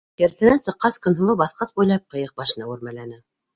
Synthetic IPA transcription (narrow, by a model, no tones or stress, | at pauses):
kɘ̆ɾθɘ̆nænsɤ̆qːɑskɵ̆nɦŏlˠɤbɑθqɤsbujlˠɑp̚qɤ̆jɤq̚bɑʃ̆nɑwɘ̆ɾmælænɘ